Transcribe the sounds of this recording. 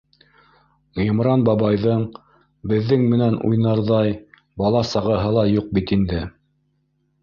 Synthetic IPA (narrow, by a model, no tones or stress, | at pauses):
jɤ̆mɾɑnbɑbɑjðɤɴ | bɘ̆ðːɘŋmɘ̆nænʔṵjnɑɾðɑj | bɑlˠɑsɑʁɤ̆ɦɤlˠɑjuq̚bit̪ind̪ɘ